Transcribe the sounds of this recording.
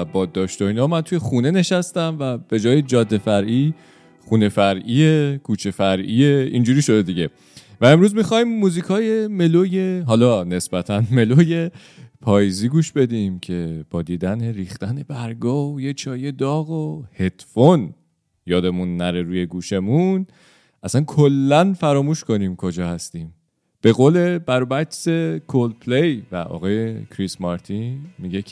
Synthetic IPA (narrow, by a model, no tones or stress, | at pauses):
bɒːd̪ːɒːʃt̪oiːnɒːmænt̪ʰuje̞xune̞ne̞ʃæst̪æmvæb̥e̞d͡ʒɒːjed͡ʒɒːd̪ːe̞fæɾʔiː | χuːne̞fæɾʔiekʰuːt͡ʃʰe̞fæɾʔieind͡ʒuːɾiːʃo̞d̪e̞d̪iɟe̞ | væe̞mɾuːzmixɒːjimːuːzikʰɒːje̞me̞lojeɦɒːlɒːne̞sb̥æt̪ʰænme̞loje̞ | pʰɒːjziːɡuʃbe̞d̪imcʰe̞b̥ɒːd̪iːd̪æne̞ɾiːxt̪æne̞bæɾɡɒjet͡ʃʰɒːjed̪ɒːɣohe̞t̪fon | jɒːd̪e̞munːæɾeɾuːje̞ɡuːʃe̞mun | ʔæsænkʰolːænfæɾɒːmuːʃko̞niːmkʰod͡ʒɒːhæst̪iːm | b̥e̞ɣoːle̞bæɾobætse̞kʰolpʰlejvæ̰ʔɒ̰ːɣɒːjecʰɾismɒɾt̪ʰinmiɟe̞